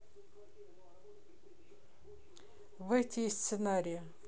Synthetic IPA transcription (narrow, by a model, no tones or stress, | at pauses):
vɛtʲɪsʲt̪sɨnaɾʲɪjə